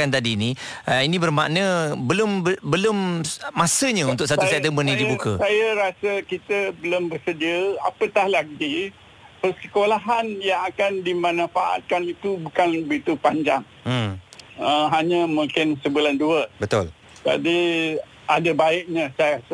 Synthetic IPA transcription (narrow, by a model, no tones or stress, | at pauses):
ant̪adiːniəinĩbərma̰ʔnəbəlʊmbəbəlʊmːasəɲãunt̪ʊk̚sat̪usɛt̪əmənːĩdibukəsajaɾasəkit̪əbəlombərsədiəapət̪ahlaɡi | pərsəkolaɦanjaŋakandimãnãfaʔa̰t̪̚kanit̪ubukanbəɡit̪upaɲd͡ʒaŋ̩ | əɦaɲəmũŋkɪnsəbulanduəbət̪ʊl | d͡ʒa̰di | adabaɪʔ̚ɲasajaɾasə